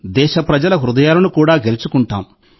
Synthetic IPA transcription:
d̪ɛːʃɐpɾɐd͡ʒɐlɐɦɾud̪ɐjaːlɐnukuːɽaːɡe̞lit͡ʃukuɳʈa̰ːm

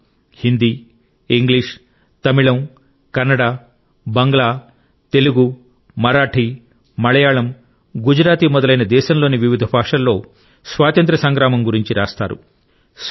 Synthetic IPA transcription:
hind̪iː | iŋɡliːʂ | t̪ɐmiɭɐm | kɐɾnːɐɽaː | bɐŋɡɐɭaː | t̪e̞luɡu | mɐɾaːʈʰi | mɐɭɐjaːɭɐm | ɡud͡ʒɾaːt̪imɔd̪ɐlɐjnɐd̪ɛːʃɐmloːniʋiʋid̪ʱɐbʱaːʂɐlːo̞ː | sʋaːt̪ɐnt̪ɾɐsɐŋɡɾaːmɐmɡuɾiɲt͡ʃiɾaːst̪a̰ːɾṵ | s

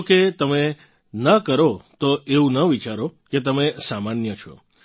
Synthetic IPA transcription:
ket̪əme | nəkəɾot̪oeũnəʋit͡ʃaɾoket̪əmesamanjət͡ʃʰɔ̰

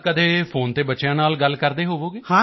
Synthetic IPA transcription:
kəd̪eːpʰoːnt̪eːbətːʃjãːnaːlɡəlkəɾd̪eːɦoːʋoːɡeːhãː

